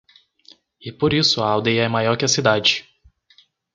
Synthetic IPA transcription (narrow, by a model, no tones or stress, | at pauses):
ɪpoɾisʊɐawd̪ejɐɛmajɔɾkɪɐsid̪ad͡ʒɪ